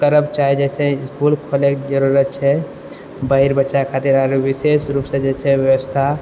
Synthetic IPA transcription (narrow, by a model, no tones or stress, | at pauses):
kəɾəbt͡ʃaɦid͡ʒɛseɪskulkʰolekd͡ʒəɾuɾət̪̚t͡ʃʰɛ | bəɦiɾbətːʃakʰat̪iɾaɾʋisesɾupsẽd͡ʒɛt͡ʃʰɛʋjəʋəst̪ʰa